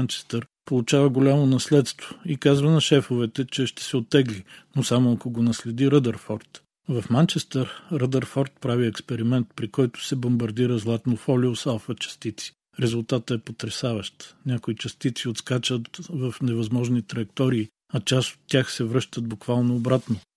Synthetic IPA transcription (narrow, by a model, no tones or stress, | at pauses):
nt͡ʃɛ̥st̪ɛɾ | polˠʊt͡ʃavəɡolʲamonɐslɛt̪st̪v̥oikazvənɐʃɛfovɛt̪ɛt͡ʃɛʃt̪ɛ̥sɛot̪ːɛɡlinosamoɐkoɡonɐslɛd̪iɾəd̪ɐɾfɔɾt̪ | vɐfmant͡ʃɛst̪ɛɾɾəd̪əɾfɔɾt̪̚pɾaviɛkspɛɾimɛnt̪̚pɾikɔjt̪ʊ̥sɛbombɐɾd̪iɾəzlˠat̪nofɔlʲiosalˠfət͡ʃɐ̥st̪it̪si̥ | ɾɛzʊlˠt̪at̪əɛpot̪ɾɛsavəʃt̪nʲakoit͡ʃɐst̪it̪siot̪skat͡ʃət̪vɐfnɛvɐzmɔʒnit̪ɾɐjɛkt̪ɔɾiː | ɐt͡ʃaso̥t̪ʲːjaxsɛvɾɤʃt̪ət̪̚bukv̥alˠnoːbɾat̪no